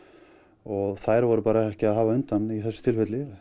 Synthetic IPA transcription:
ɔɣθajɾvɔɾʏpaːɾaɛhcɪaðɦaːvaʏnt̪aniθɛsːʏ̥t̪ʰɪlfɛt̪lɪɾ

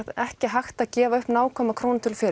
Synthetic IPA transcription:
ðɛhcɪɦaxt̪aðcɛːvaʏhpnaːwkʰɔːmakʰɾoːwnt̪ʰɪlfɪːɾ

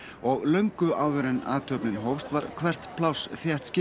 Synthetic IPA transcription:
ɔɣlœɥŋkʏʔaːwðʏɾɛna̰ːt̪ʰœpnɪnɦowfst̪vaɾkʰvɛr̥t̪pʰlawsθjɛht̪scɪ

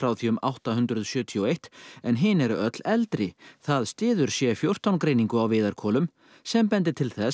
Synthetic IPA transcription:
fɾaːwθiʏmʔa̰wht̪aɦʏnt̪ɾʏðsjœːt̪ʰiɔejht̪ɛnɦɪːnɛɾʏœt̪lɛlt̪ɾɪθaðst̪ɪːðʏɾ̥sjɛfjow̥t̪awnkɾeːjniŋkʏawvɪːðaɾ̥kʰɔːlʏm | sɛmpɛnt̪ɪt̪ʰɪlθɛs

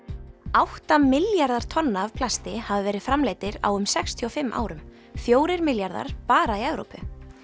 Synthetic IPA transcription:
awht̪amɪljaɾðaɾ̥t̪ʰɔnːaːv̥pʰlast̪ɪhavɪvɛːɾɪðfɾamleːjt̪ɪɾa̰wʏmsɛkst̪ʰiɔfɪmːʔa̰ːwɾʏm | fjoːwɾɪɾmɪljaɾða̰ɾ̥paːɾaiɛvɾo̰wpʏ̰

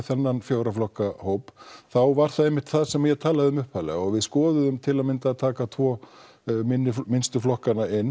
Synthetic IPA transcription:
θɛnːanfjoːwɾaflɔhkahoːwpθawvaɾ̥θaðejmɪht̪θaðsɛmajɛt̪ʰaːlaðɪʏmʏhphalɛ̰ɣɔɣvɪðskɔːðʏðʏmt̪ʰɪlaðmɪnt̪at̪ʰaːkat̪ʰvɔː | mɪnːɪfmɪnst̪ʏflɔhkanaɪnː

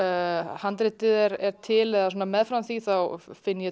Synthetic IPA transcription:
hant̪ɾɪt̪ɪðɛɾɛɾ̥t̪ʰɪlɛɣasoːnamɛðfɾawnθiθawfɪnːɪjɛ

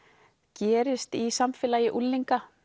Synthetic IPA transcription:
cɛːɾɪst̪isamfɛːlaːjɪʔulːiŋka

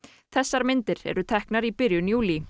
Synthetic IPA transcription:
θɛsːaɾmɪnt̪ɪɾɛ̰ɾʏt̪ʰɛhknaɾipɪɾjʏnjuːli

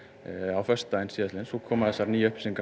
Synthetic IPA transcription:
awfœst̪aɪnsiːðat̪lɪnsɔkʰɔːmaðɛsːaɾniːœhpsɪŋk

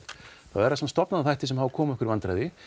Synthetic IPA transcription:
θaðvɛɾasamt̪st̪ɔpnaðaθajht̪ɪ̥sɛmhavkʰɔːmɛhkʏɾvant̪ɾa̰jðɪ

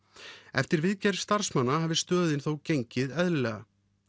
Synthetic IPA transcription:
ɛ̰ft̪ɪɾvɪðcɛɾ̥st̪aɾ̥smanːaɦaːvɪst̪œːðɪnθowcejɲcɪðɛðlɪlɛɣa̰

